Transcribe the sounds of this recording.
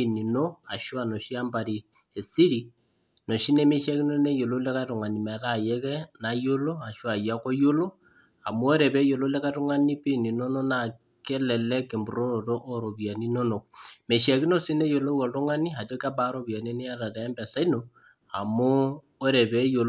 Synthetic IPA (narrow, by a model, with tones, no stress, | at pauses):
i˦ni˨no˦a˨ʃwa˨no˨ʃi˦a˦mba˨ɾi˨ | e˨si˦ɾi˨ | no˨ʃi˦ne˦me˦ʃa˦ki˦no˦ne˦jo˨lo˦le˦ka˦to˨ŋa˨ni˨ma˨ta˦˨je˦kɛ˦na˦jo˦lo˦a˨ʃwa˨ja˦ko˦jo˦lo˦ | a̰˨mo˦o˦ɾɛ˨βe˦jo˨lo˦le˦ka˦to˦ŋa˦ni˦pi˦˨ni˨no˦no˦na˨ | ke˦lɛ˨lɛ˦ke˨mbu˨ɾo˦ɾo˨to˦ʔo˦ɾo˨βja˨ni˦no˦no˨k̚me˨ʃi˦a˨ki˦no˦si˦ne˦jo˨lo˦wɔ˨to˦ŋa˦ni˦a˨to˦ka˦ba˦ɾo˦βja˨ni˦ne˦a˦ta˨ta˨ɛ˦mbɛ˨sa˦i˦no˨ | a̰˨mo˦ | o˦ɾɛ˨βe˦jo˨l